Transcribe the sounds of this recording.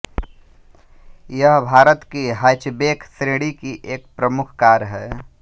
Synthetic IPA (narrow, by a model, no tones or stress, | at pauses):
jəɦbʱaːɾət̪kiɦat͡ʃbeːkʰsɾeːɽikiʔeːk̚pɾəmʊkʰkaːɾɦɛː